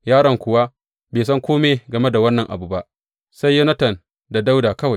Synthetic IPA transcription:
jaː˦ɽɐ˨ŋkʷʊ˨wa˦ | beː˨sɐ˦ŋkʷoː˦me˨ɡɐ˨me˦da˨wɐ˦nːɐ˨ŋʔa̰˨bu˨ba˦ʔ | sa˦jːo˦nɐ˦tɐ˨n | da˨da˦wdaː˨kɐ˦wa˨j

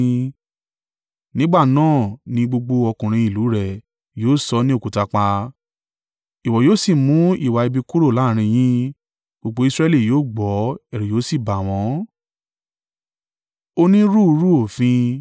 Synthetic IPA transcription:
nĩ˦ɡ͡ba˦˨nãː˦˨nĩ˧ɡ͡bo˧ɡ͡bo˧ɔ˧kũ˨ɾ̃ĩ˧i˨lu˨˦ɾɛ˨ | joː˨˦˨sɔ˧˦nĩ˦o˦ku˨ta˧k͡pa˧ | i˨wɔ˨joː˨˦si˦˨mũ˨˦ḭ˦˨wa˨i˧bi˧ku˦ɾo˦˨la˨˦˨ɾ̃ĩ˧j̃ĩ˦ | ɡ͡bo˧ɡ͡bo˧˦i˧sɾɛ˦li˦˨joː˨˦˨ɡ͡bɔ˨˦ɛ˦˨ɾi˨joː˨˦si˦˨ba˨w̃ɔ̃˨˦ | o˦nĩ˦ɾu˦˧ɾu˦o˦˨fĩ˧

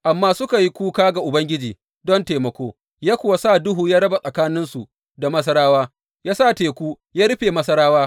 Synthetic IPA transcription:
ʔa˨mːaː˦sʊ˦ka˨ji˦kʷuː˦kaː˦ɡa˨ʔʊ˨bɐ˦ŋɡʲɪ˦d͡ʒiː˨ | dɔ˦nteː˨mɐ˨kʷoː˦ | jaː˦kʷʊ˨wa˦saː˦˨dʊ˦ɦuː˨jaː˦ɽɐ˦ba˨sʼɐ˨kaː˦nɪ˦nsu˨ | da˨mɐ˦s̬ɐ˦ɾaː˦waː˦ | jaː˦sa˦˨teː˨kʷuː˦ | jaː˦ɾɪ˦ɸeː˨mɐ˦sɐ˦ɾaː˦waː˦

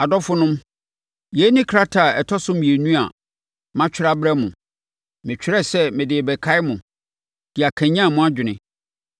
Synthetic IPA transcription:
a˨dɔ˦fʊ˦nʊ̃˦m | je˦nɪ̃˦kʰɾa˦tʰa˨ɛ˨tʰɔ˦sʊ̃˦mĩ˨e˨nũ˦a̰˨ | mã˦t͡ɕᶣʰɪ˦ɾa˦bɾɛ˦mʊ̃˨ | mɪ̃˨t͡ɕᶣʰɪ˦ɾɛ˦sɛ˦mɪ̃˨dɪ˨bɛ˨kʰa˦ɪ˦mʊ̃˨ | d̥ɪ˨a˨kʰæ̃˨ɲã˦˨mʊ̃˦a˦d͡ʑᶣɪ˨nɪ̃˨

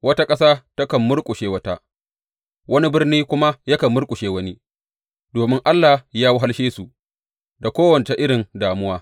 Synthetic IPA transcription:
wɐ˦ta˦kʼɐ˦saː˦tɐ˦kɐ˨mːʊ˦ɽkʷʼʊ˨ʃeː˦wɐ˦ta˦ | wɐ˦ni˦bɪ˦rniː˦kʷʊ˦ma˦ja˦kɐ˨mːʊ˦rkʷʼʊ˨ʃeː˦wɐ˦ni˦ | doː˨mɪ˦ŋʔa˦lːaː˨jaː˦wʊ˦ɦa˦lʃeː˦su˨ | da˨kʷoː˦wɐ˨nt͡ʃe˨ʔɪ˦ɽɪ˨ndaː˨mʊ˦waː˦

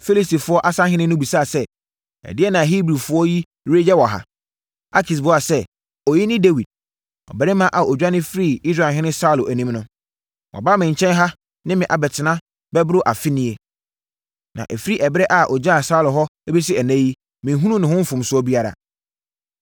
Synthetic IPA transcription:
fe˦li˦sti˨fʊ˦ɔ˦ʔa˦sã˦hɪ̃˦nɪ̃˦nʊ̃˦bi˨saː˦˨sɛ˦ | ɛ̰˨dɪ˦ɛ˦nã˨ɦi˦bɾi˨fʊ˦ɔ˦ji˦ | ɾe˦d͡ʑɛ˦wɔ˨ɦa̰˨ | a˦kʰi˨s̬bʊ˦a˨sɛ˦ | ɔ˨ji˦nɪ̃˦de˦wi˨d̥̚ | ɔ̰˨bɛ˨ɾɪ˦mã˦ʔa˨ɔ˨d͡ʑᶣa˦nɪ̃˦fɾi˦˨i˦s̬ɾa˨ɦɪ̃˦nɪ̃˦sa˦ʊ˨lʊ˨ʔæ˨nĩ˦mnʊ̃˦ | wʔɔ̰˨baː˦mɪ̃˨ɲ̩˨t͡ɕʰɛ̃˦nɦa˦ | nɪ̃˦mɪ̃˨ʔa˨bɛ˨tʰɪ˨nã˦ | bɛ˦bɾʊ˦ʔa˨fɪ˦nĩ˦e˨ | nã̰˨ʔɛ˨fi˦ɾi˦ʔɛ˨bɪ˦ɾɛ˦ʔa˨ʔɔ˨d͡ʑa˦a˨sa˦ʊ˦lʊ˨ɦɔ˦be˦s̬i˦ɛ˨næ̃˦ji˦ | mɪ̃˨˦ɦũ˦ũ˦nɪ̃˨hʊ̃˦m̩˦fʊ̃˨msʊ˨˦ɔ˦bi˦a˦ɾa̰˨

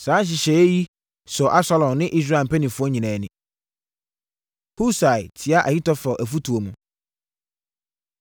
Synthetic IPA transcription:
sãː˦ɕ̬ɪ˨ɕɛ˨˦ji˦ | sɔ˨ʔa˦sa˦lɔ̃˨nɪ̃˦ʔi˦s̬ɾa˦˨m˨pʰæ˦nĩ˨fʊ˦ɔ˦ɲĩ˨nãː˨nɪ̰̃˦ | hu˦sa˨jtʰɪ˨˦a˦ʔæ˨hi˦tɔ˦fɔ˨ʔæ˨fu˦tʰu˨o˨mũ˨

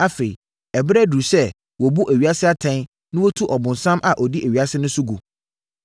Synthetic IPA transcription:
a˦fe˨i˨ | ɛ˨bɛ˦du˨sɛ˦ | wɔ˨bu˦ʔæ˨ɥi˨a˦sɪ˦a˦tʰɛ̃˦ | nɪ̃˦wɔ˦tʰu˦ʔɔ˨bʊ̃˨nsã˦mʔa˨ʔɔ˨di˦ʔæ˨ɥi˨a˦sɪ˦nʊ̃˦su˦ɡṵ˨

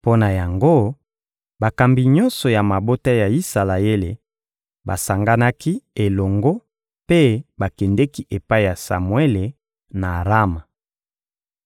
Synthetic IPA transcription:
po˦na˨ja˨ŋɡo˦ | ba˨ka˨mbi˨ɲɔ˦nsɔ˨ja˨ma˨bo˦ta˦ja˨i˦sa˨la˨e˦le˨ | ba̰˨sa˨ŋɡa˦na˦ki˦e˨lɔ˨ŋɡo˦ | pe˦ba˨kɛ˨ndɛ˦ki˦ʔe˨pa˦i˦˨ja˨sa̰˨mwe˦le˨ | na˨ʁa˦ma˨

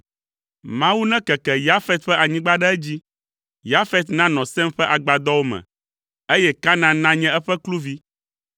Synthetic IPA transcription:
mã˨wu˦nɛ̃˦kɛ˨kɛ˨ja˦fɛ˦t̪̚ɸɛ˦ʔa˨ɲĩ˦ɡ͡ba˦ɖɛ˦ɛ˦d͡ʑi˦ | ja˦fɛ˦t̪nã˦nɔ̃˨sɛ̃˦mɸɛ˦ʔa˨ɡ͡ba˨d̪ɔ˦wo˦mɛ̰̃˨ | e˦jɛ˦ka˦nã˦nã˦ɲɛ̃˦ɛ˦ɸɛ˦klu˦vi˦

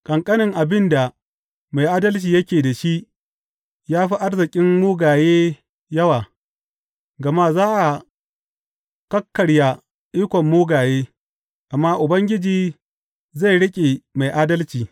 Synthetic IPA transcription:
kʼɐ˨ŋkʼɐ˦nɪ˨ŋʔa˨bɪ˦nda˨ | ma˨jʔaː˦dɐ˦lt͡ʃiː˨jɐ˦kʲeː˨da˨ʃi˦ʔ | jaː˦ɸiː˦ʔa˦rzɪ˨kʲʼɪ˦mmuː˦ɡaː˨jeː˦ | jɐ˦waː˨ | ɡɐ˨ma˦zaː˦ʔa˨ | kɐ˦kːɐ˨ɽja˨ | ʔiː˦kʷɔ˨mːuː˦ɡaː˨jeː˦ | ʔa˨mːaː˦ʔʊ˨bɐ˦ŋɡʲɪ˦d͡ʒiː˨ | za˦˨jɽɪ˦kʲʼe˨ma˨jʔaː˦dɐ˦lt͡ʃiː˨

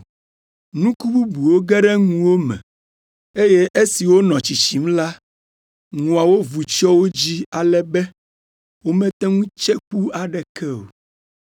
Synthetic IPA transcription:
nũ˦ku˦bu˦bu˨wo˦ɡɛ˦ɖɛ˦ŋũ˨wo˦mɛ̰̃˨ | e˦je˦ʔe˦si˨wo˦nɔ̃˨t͡ɕi˨t͡ɕi˨˦m˦la˦ | ŋũ˨a˨wo˦vu˨t͡ʃɔ˦wo˦d͡ʑi˦a˨lɛ˦bɛ˦ | wo˦mɛ̃˦t̪ɛ˦ŋũ˦t͡ʃɛ˦k͡pu˦a˨ɖɛ˨kɛ˦o̰˨

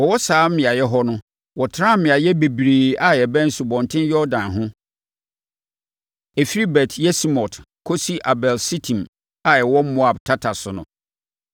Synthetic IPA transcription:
wɔ˨wɔ˦saː˨˦m̩˦mɪ̃˨a˨jɛ˦ɦɔ˦nʊ̃˦ | wɔ˨tʰɾã˦m̩˦mɪ̃˨a˨jɛ˦be˨bɾeː˨a˦jɛ˨bɛ̃˦n̩˦su˨bɔ̃˨n˨tʰɪ̃˦njɔ˦dã˨nɦʊ̃˦ | ɛ˨fi˦ɾi˦bɛ˨tʰjɛ˦si˦mɔ̃˨tʰ | kʰo˦si˦ʔa˨bɛ˨lsi˦tʰĩ˨m | a˨jɛ˨wɔ˦m̩˦mɔ̃˦a˨btʰa˦tʰa˨sʊ˨nʊ̰̃˨

